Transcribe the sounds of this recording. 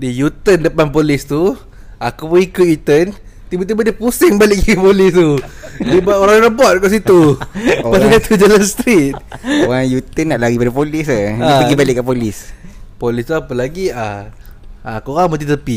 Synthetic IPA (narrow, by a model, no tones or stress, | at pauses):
dijut̪əndəpanpolɪst̪u | akupuikut̪it̪ən | t̪ibət̪̬ibədəpusɪŋbalɪʔkəkəpolɪst̪udibaoɾaŋnəbɔt̪̚kaʔs̬it̪uopast̪ud͡ʒəlanst̪ɾit̪̚oɣaŋjut̪ənːaʔlaɣipadapolɪsaaiəɡibalɪʔkːapolɪspolist̪uapəlaɡia | akuɣaŋmət̪it̪əpi